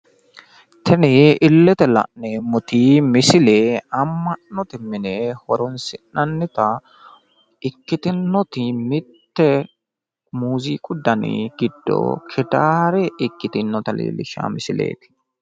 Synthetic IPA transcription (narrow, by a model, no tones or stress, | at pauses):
t̪ʰɛnɪɪlːɛt̪ɛlɐ̰ʔnemʊt̪imɪsɪleːɐmːɐnːɔt̪ɪmɪnɛhɔɾɔnsɪnːɐnːɪt̪ɐ | ɪkːɪt̪ɪnːɔt̪ɪmɪt̪ːɛ | muːziːkʼʊd̪ɐnɪ̰ɡɪd̪ːo̰kʰɛd̪aːɾɛɪkːɪt̪ɪnːɔt̪ɐlḛːlɪʃa̰ːmɪsɪlḛːt̪ɪ̥